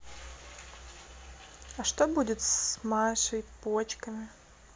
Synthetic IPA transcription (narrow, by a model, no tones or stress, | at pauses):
ɐʂt̪obudʲɪt̪smaʂɐjpot͡ɕkɐmʲɪ